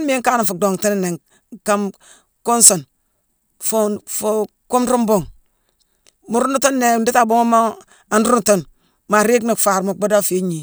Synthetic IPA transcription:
nme˦ŋ˦ka˦na˨fu˨do˨ŋti˦n˨ne˨ | ka˦m | ku˦nso˨n | fu˦fu˦ | ku˦mɾu˦mbo˦ŋ | mu˨ɾu˦nu˦to˦nːe˨ndi˦ta˦˨bu˦ŋa˦ma˦ | a˨nɾu˦n˨to˦n | ma˨ɾe˦kna˨kfa˨ɾma˨ba˦da˦fe˦ɲi˨

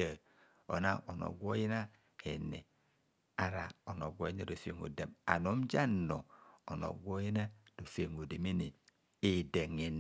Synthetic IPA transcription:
e˨ | o̰˨na˦ʔo˨no̰˨ɡʷo˦ji˦na˦ | e˨ne˨ | a˨ɾa̰˨o˨no˨ɡʷo˦i˦ne˦˨do˨fḛ˦˨ŋo̰˨de˨ma̰˨no˨˦m˦d͡ʒa˦˨no˨o˨no̰˨ɡʷo˦ji˦na˦d̥o˨fe˦˨ŋo˨de˨mi˦ni˨ | e˨de˨ŋe˨n

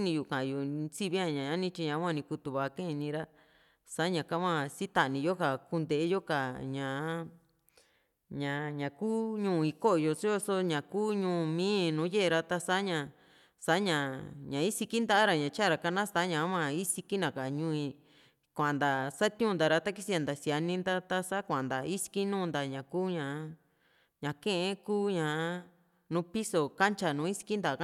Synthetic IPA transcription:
nĩ˧ju˨kã˨ʔju˨˧si˦˧βi˦ã˧˨ɲã˨ɲã˦nĩ˦t͡ʃi˧ɲã˨˦wã˦˧nĩ˧ku˧t̪u˨βa˨˧kẽ˦˧nĩ˧ɾa˦ | sa˦ɲã˨ka˦mã˧si˦t̪a˧ʔnĩ˧jo˦ka˨ku˧nd̪e˧˨ʔe˦jo˦ka˨ɲã˨˦ | ɲã˨ɲã˨kuː˦ɲũː˧˨˧i˧ko˦ʔjo˧t͡ʃi˦jo˧so˧ɲã˨kuː˦ɲũː˧˦˧mĩː˦nũː˨˦je˦ʔɾa˧t̪a˧sa˦ɲã˧ | sa˨˦ɲã˨ɲã˨i˦si˧ki˦nd̪a˧˦a˦ɾa˨ɲã˨t͡ʃa˦˨ɾa˨ka˧nã˦sa˦ɲã˨˦mã˧i˦si˧ki˦nã˨ka˨ɲũː˧ĩ˧ | kʷã˨nd̪a˨sa˦t̪ũː˦nd̪a˨˧ɾa˧t̪a˦k̬i˦si˧˦ã˨nd̪a˨si˨˧a˧nĩ˦nd̪a˦t̪a˧sa˦kʷã˨nd̪a˨i˦si̥˧ki˦nũː˦˧nd̪a˨ɲã˨kuː˦ɲã˨˦ | ɲã˨kẽ˦ʔẽ˦kuː˦ɲã˨˦ | nũ˧˦pi˦so˨ka˦nt͡ʃa˧nũ˨˦i˦si̥˧ki˦nd̪a˨˧ka˦

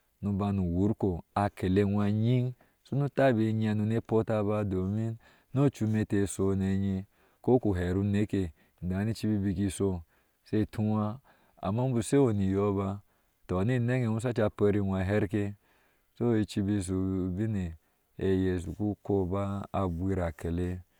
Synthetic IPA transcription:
nu˧ba˧nu˨wu˨˦ɾko˨a˨kʰe˨le˦nʷa˧ɲi˦ŋ | so˦nu˦ta˦˨be˨˦ɲ˦a˧nu˧ne˦po˦ta˧ba˧do˨mi˦n | no˦t͡ʃu˦˧me˧te˨so˧ne˨ɲe˧ | ko˦ku˨ɦe˨ɾu˦ne˦ke˨ | da˨˦ni˦t͡ʃi˦bi˦bi˧ki˧so˧ | se˦˨tʰu˦wa˦ | a̰˨ma˦m˦bu˨se˦o˨ni˨jo˦ba˧ | to˨ni˦˨ne˦ɡe˨nu˦s̬a˦t͡ʃa˧pa˧˦ɾi˧nʷ˨a˨ɦe˦ɾke˦ | so˦i˧t͡ʃi˧bi˧s̬u˨bi˦ne˨ | e˨je˨s̬u˨ku˦ko˦baː˦˨bʷi˦ɾa˨ke˨le˦

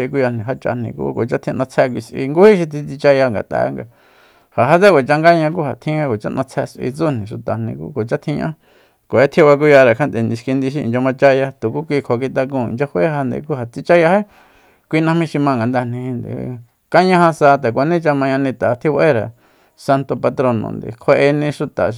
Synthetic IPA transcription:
i˧k̬u˧ja˧nĩ˧ɦa˦t͡ʃa̰˧n̥ḭ̃˧kṵ˦ko˨t͡ʃa˦t̪ʰĩ˧nã˧t͡sʰɛ˧k̬ʷi˧sʔḭ˧ŋɡu˦hi˦ʃ̬i˧t̪ʰi˧t͡si˧t͡ʃa˧ja˧ŋɡa̰˨t̪a̰˧˦ŋɡa˧ | ha˨ɦa˦t͡se˦kʷe˨t͡ʃa˧ŋɡa˦ɲã˧k̬u˦ha˨t̪ʰĩ˦ã˦ko˨t͡ʃa̰˦nʔã̰˧t͡sʰɛ˧sʔḭ˧t͡su˦nĩ˨ʃu˨t̪a˨nḭ̃˧kṵ˦ko˨t͡ʃa˦t̪ʰĩ˦˧ɲʔã̰˦ | kʷo˨e˦t̪ʰi˧˦βa˧k̬u˦˧ja˧ɾe˨kʰa˦nd̪e˨nĩ˧ʃki˧nd̪i˧ʃ̬ḭ̃˧˨d͡ʒa˧mã˧t͡ʃa˦ja˧t̪u˨ku˦kʷi˧kʰo˨˧k̬i˧t̪a˧k̬ũ˧ḭ˨nd͡ʒa˧hwe˦ha˧nd̪ḛ˧k̬u˦ha˨t͡si˧t͡ʃa˦ja˧he˦ | kʷi˧nã˧mĩ˦ʃi˧mã˧ŋɡa˨nd̪a˧˨nĩ˧hĩ˧nd̪ḛ˨ | ka˦ɲã˦hã˧sa˧t̪a˨kʷa˧nĩ˦t͡ʃa˧mã˧ɲã˧nĩ˧t̪a˨˧t̪ʰi˦βa˧ʔe˦ɾa˨ | sa˧nt̪o˧pa˧t̪ɾo˧nõ̰˧nd̪ḛ˨kʰe˧ʔe˧nĩ˧ʃu˧t̪a̰˨

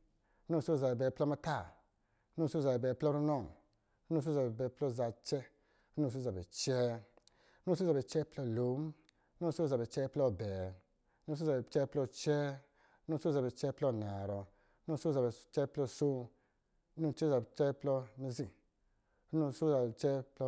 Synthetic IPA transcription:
no˦˧˨so˦˨za˨bɛ˨bɛ˨plɔ˦ma˧ta˦˨˦ | nu˦˨so˦˨za˨bɛ˨bɛː˨plɔ˦ɾu˦nɔ˦˨ŋ˦ | nu˦˨s̬o˦za˨bbɛ˨˦plɔ˦˨za˨t͡ʃɛ˦ | nu˦˨s̬o˦za˨bɛ̰˨t͡ʃɛ˦ | nu˦˨so˦za˨bɛ˨t͡ʃɛ˦plɔ˧˨lo˨˦m˦ | no˦˨˦so˦˨za˨bɛ˨t͡ʃɛ˦plɔ˧˨bɛː˨˦ | nu˦˨so˦za˨ɛ˨t͡ʃɛ˦plɔ˧t͡ʃɛ˦ | nu˦˧˨so˦za˨bɛ˨t͡ʃɛ˦plɔ˦˧˨na˨ɾɔ˨˦ | nu˦˧˨so˦za˨bɛ˨t͡ʃɛ˦plɔ˧˨so˦ | u˦˧˨t͡ʃɛ˦za˨bɛ˨t͡ʃɛ˦plɔ˧mi˧zĩ˧˨˦ | nu˦˧˨so˦za˨bɛ˨t͡ʃɛ˦plɔ˧

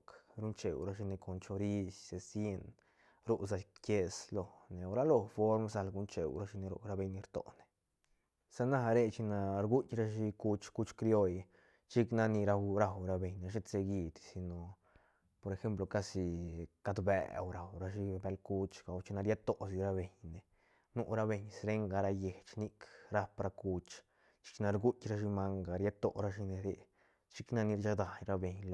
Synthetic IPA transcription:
kɾu˦nt͡ʃḛ˨wɾa˦ʃi˧ne˧ko˨nt͡ʃo˧ɾi˦sse˨sje˦n | ɾu˦z̬a˧ke˧slo˨ne˨a˧wɾa˦lo˧fo˦ɾmsa˧lɡu˧˦nt͡ʃḛ˨wɾa˧˦ʃi˧ne˧ɾo̰˧ɾa˧be˧jni˧ɾt̪o̰˨ne̥˨ | sa˦na˦˧ɾe˦˧t͡ʃi˧na˧ɾɡu˦tʲɾa˦ʃi˧ku˦t͡ʃku˦t͡ʃkɾjo˦j | t͡ʃi˦kna˧ni˧ɾa˧wɾa˧wɾa˧be˧ɲne˧ʃ̬e˦se˧ɡi˧d̪si˧no˨ | po˧ɾe˧xe˦mplo˧ka˦˧si˧ka˧d̪bḛ˨˧wɾa˨wɾa˧ʃi˧be˧lku˦t͡ʃɡ̥a˨wt͡ʃi˧na˧ɾja˦t̪o˨ʔs̬i˧ɾa˦be˨ɲne˨ | nu˦˧ʔɾa˧be˧ɲsɾe˦ŋɡa˧ɾa˧je˨t͡ʃni˦kɾa˦pɾa˧ku˧t͡ʃ | t͡ʃi̥˧˦t͡ʃi˧na˧ɾɡu˦tʲɾa˧ʃ̬i˧ma˧ŋɡa˨ɾja˦t̪o˧ɾa˧ʃi˧ne˧ɾḛ˧ | t͡ʃi˦kna˧ni˧ɾt͡ʃa˧d̪a˨jɾa˧be˧ɲl

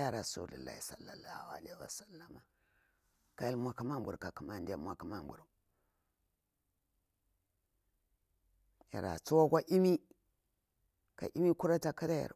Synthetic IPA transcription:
ja˦ɾa˨sṵ˦˨lṵ˨lːa̰˨hi˨sa˨lːa˨lːa˦˨hu˨a̰˨le˦˨i˦wa̰˨sa˦lːa˨ma˨ | ka˦ja˦lmʷa˦ka˦ma˦mbʷṵ˨ɾka˨ku˨ma˦˨ndi˦a̰˦˨mʷa˨ka˦ma˦˨m˨bu˨ɾu˨ | ja̰˨ɾa̰˨t͡su˦wa˦kʷa˦ʔi˦mi˦ | ka̰˨ʔi˦mi˦ku˦ɾa˦ta˨ki˦ɾa˦ja̰˨ɾ

